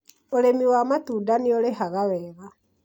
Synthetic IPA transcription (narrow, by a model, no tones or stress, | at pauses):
oɾemiwamatuːdanioɾeɦaɣawɛːɣa